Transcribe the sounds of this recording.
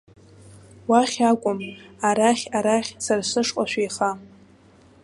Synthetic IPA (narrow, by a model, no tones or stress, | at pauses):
waχʲakʷʼʊmaɾaχʲaɾaχʲsarsɨʂqʼaʃʷᶣejχa